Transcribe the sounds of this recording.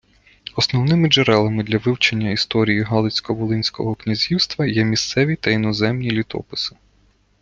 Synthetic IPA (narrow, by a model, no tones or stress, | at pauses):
ɔsnɔwnɪmɪd͡ʒeɾɛlˠɐmɪd̪lʲɐʋɪwt͡ʃenʲːɐist̪ɔɾʲijiɦɑlˠɪsʲkɔbʊlˠɪnʲsʲkɔ̰ɦɔknʲizʲiwst̪ʋɐjɛmʲist̪sɛʋʲit̪ɐinɔzɛmnʲilʲit̪ɔ̰pɪsɪ̥